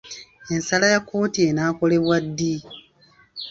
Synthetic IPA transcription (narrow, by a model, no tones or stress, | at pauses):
e̞nsalajakːo̞ːtie̞naːko̞le̞βwadːi